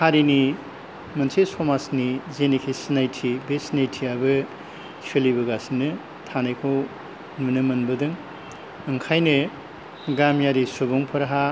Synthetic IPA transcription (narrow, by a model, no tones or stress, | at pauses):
haɾini | mɐnsesɔmasnizenikʰisnajtʰibesnajtʰiabɯ | pʰelibɐɡasinɯ | tʰanɐjkʰow | nunɯmɐnbɐdɯŋ | ɯŋkʰajnɯ | ɡamjaɾisobuŋpʰɐɾaɦa